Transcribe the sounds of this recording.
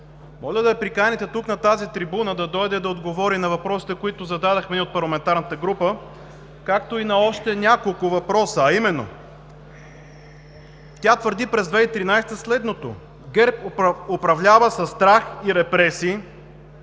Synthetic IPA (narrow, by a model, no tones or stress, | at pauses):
mɔlʲəd̪ɐɛpɾikanʲɛt̪ɛt̪uknɐt̪azit̪ɾibunəd̪ɐd̪ɔjd̪ɛd̪ɐod̪ɡovɔɾinɐvɐpɾɔsi̥t̪ɛkoit̪ʊzɐd̪ad̪ɐxmɛniot̪̚pɐɾlˠɐmɛnt̪aɾnət̪əɡɾupə | kakt̪oinɐɔʃt̪ɛnʲakolˠkʊvɐpɾɔsəːimɛnːo̰ | t̪ʲat̪vəɾd̪ipɾɛzd̪vɛit̪ɾinajst̪əslɛd̪not̪o̰ | ɡɛɾpopɾɐvlʲavəsɐsːt̪ɾaxiɾɛpɾɛsiː